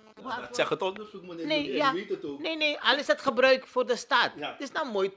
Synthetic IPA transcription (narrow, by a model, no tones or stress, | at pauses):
sɛχətonejaneneɐləsdɐtχəbrœɥkfoːrdəstɐttɪsnɐwmoj